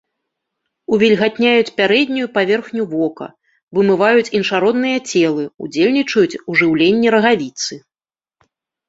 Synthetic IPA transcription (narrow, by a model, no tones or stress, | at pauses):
uvʲilʲɣat̪ʲnʲajut͡sʲpʲaɾɛd̪ʲnʲujupavʲɛrxnʲuvɔkɐ̰ | vɨmɨvajut͡sʲinʂaɾɔd̪nɨjɐt͡sʲɛlˠɨṵd͡zʲelʲnʲit͡ʂɐjut͡sʲuʐɨwlʲenʲːiɾɐɣavʲit̪sɨ